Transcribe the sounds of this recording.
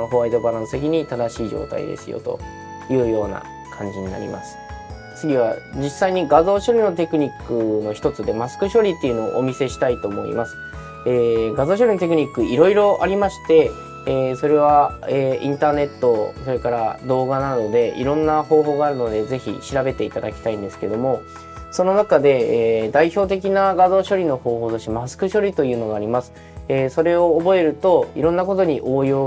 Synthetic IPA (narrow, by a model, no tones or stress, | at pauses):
oɦo̞βaid̪o̞baɾãsɨ̥t̪ekʲiɲ̟it̪ad̪aɕiːʑo̞̰ːt̪a̰ḭd̪e̞̰sɨjo̰t̪o̞̰ | jɯ̟ːjo̞ːna̰ | kʰãɲ̟d͡ʑiɲ̟ina̰ɾʲḭma̰sɨ̥ | t͡sɨɡʲiβad͡ʑisːaiɲ̟iɡazo̞ːɕo̞ɾʲino̞t̪e̞kɯ̟ɲ̟ikːɯ̟no̞çi̥t̪o̞t͡sɨd̪e̞masɨ̥kɯ̟ɕo̞ɾʲit̪ːeiɯ̟no̞o̰ʔomʲise̞ɕi̥t̪ait̪o̞ːmo̞̰ḭmasɨ̥ | eːɡazo̞ːɕ̬o̞ɾʲino̞t̪e̞kɯ̟ɲ̟ikːɯ̟iɾo̞iɾo̞ʔaɾʲimaɕi̥t̪e̞ː | so̞ɾe̞β̞aeḭ̃nt̪aːne̞t̪ːo̞so̞ɾe̞kaɾad̪o̞ːɡanano̞d̪e̞ḭɾõ̞nːaho̞ːɦo̞ːɡaːɾɯ̟no̞d̪e̞ze̞çḭɕiɾabe̞t̪e̞it̪ad̪akʲi̥t̪aĩnd̪e̞sɨ̥ke̞d̪o̞mo̞ | so̞no̞nakad̪e̞d̪aiço̞ːt̪̬e̞kʲinaɡazo̞ːɕo̞ɾʲino̞ho̞ːɦoːt̪oɕimasɨ̥kɯ̟ɕo̞ɾʲit̪o̞jɯ̟ːno̞ɡaːɾʲimasɨ̥ | eːso̞ɾe̞o̞ːbo̞e̞ɾɯ̟t̪o̞iɾõ̞nːako̞t̪o̞ɲ̟iʔoːjo̞ː